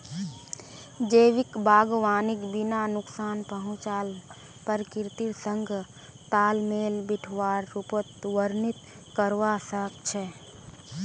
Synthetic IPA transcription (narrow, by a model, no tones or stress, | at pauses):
d͡ʒeːʋɪkbaːɡʋaːnɪkbinanʊksaːnpəɦʊ̃t͡ʃaːl | pəɾkɪɾt̪iɾsəŋɡʱ | t̪aːlmeːlbɪʈʰʋaːɾːupət̪ʋəɾnɪt̪ | kəɾʋasək̚t͡ʃʰɛ